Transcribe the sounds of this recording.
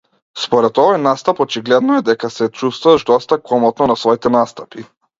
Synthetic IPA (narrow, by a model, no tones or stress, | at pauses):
spɔɾɛt̪ɔvɔjnast̪apɔt͡ʃiɡlɛd̪nɔɛd̪ɛkasɛt͡ʃust̪vuvaʒd̪ɔst̪akɔmɔt̪nɔnasvɔit̪ɛnast̪api